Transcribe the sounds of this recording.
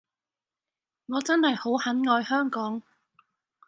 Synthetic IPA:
ŋɔː˨˧t͡sɐ˥nhɐ˨jho˨˥whɐ˨˥nŋɔː˧jhœː˥ŋkɔː˨˥ŋ

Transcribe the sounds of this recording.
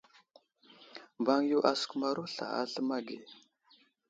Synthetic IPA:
ba˦ŋ˦ju˦ʔa˨skma˦ɾu˦ɬa̰˨a̰˦ɬə˦ma˦ɡe˨

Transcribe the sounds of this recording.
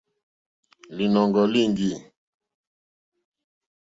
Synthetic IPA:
li˨nɔ˨ŋɡɔ˨li˦ŋɡi˦˨

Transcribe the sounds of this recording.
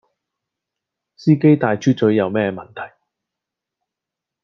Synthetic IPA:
siː˥ke˥jt̪aː˨˧jt͡ʃʰyː˥t͡sɵ˨˥ɥjɐ˨˧wmɛː˥˧mɐ˨nt̪ʰɐ˨˩j

